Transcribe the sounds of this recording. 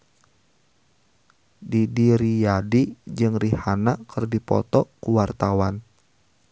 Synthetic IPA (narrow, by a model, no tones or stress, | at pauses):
didiɾijadid͡ʒɨŋrihanakʰɨrdipɔ̰t̪ɔkuwart̪awan